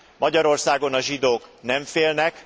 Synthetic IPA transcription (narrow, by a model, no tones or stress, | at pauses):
mɒɟɒɾo̞rsaːɡo̞nɒʒid̪oːknɛɱfeːlnɛk